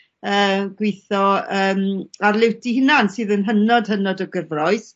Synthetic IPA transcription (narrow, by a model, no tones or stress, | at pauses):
əːɡ̥wɪθɔəːmarlˠɪwtihɪnansɨːðənɦənɔd̥hənɔdɔɡəvrɔɨs